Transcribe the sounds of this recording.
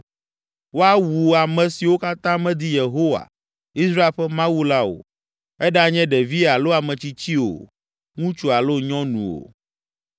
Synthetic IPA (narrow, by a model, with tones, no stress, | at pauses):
wo˦a˦wu˨a˨mɛ̃˨si˨wo˦ka˦t̪ã˦mɛ̃˦d̪i˦je˨ɦo˦wa̰˨ | i˦sɾa˦e˨lɸɛ˦mã˦wu˦la˦o̰˨ | ɛ˦ɖa˦ɲɛ̃˦ɖɛ˨vi˦a˨lo˦a˨mɛ̃˨t͡ɕi˦t͡ɕi˦o̰˨ | ŋũ˦t͡ʃu˨a˨lo˦ɲɔ̃˦nṵ̃˨o̰˨